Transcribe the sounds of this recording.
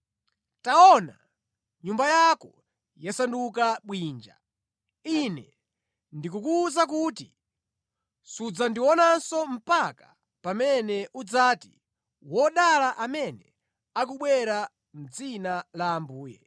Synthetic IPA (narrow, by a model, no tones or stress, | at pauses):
taɔna̰ | ɲumbajakɔ | jasandukaɓwiːnd͡ʒa̰ | inɛ̰ | ndikukuːzakuːti | sud͡zandiwɔnansɔm̩paka | pamɛnɛʔud͡zaːtḭ | wɔɗalaʔamɛnɛ | ak̬uɓwɛɾa | m̩d͡zinalaːmbuːjɛ̰